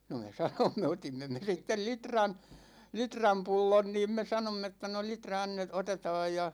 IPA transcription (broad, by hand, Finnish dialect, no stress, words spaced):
no me sɑnomːe otimːe me sitːel litrɑn litrɑm pulːon niːm me sɑnomː etːæ no litrɑ ɑnːet otetɑːj jɑ